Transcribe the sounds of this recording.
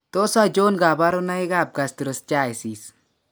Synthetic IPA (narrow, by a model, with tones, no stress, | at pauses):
to˦sa˦d͡ʒo˦nɡa˨ba˦ɾo˦na˦i˦ɡa˦˨p̚ɡa˨sti˨ɾo˨st͡ʃa˦jsi˨s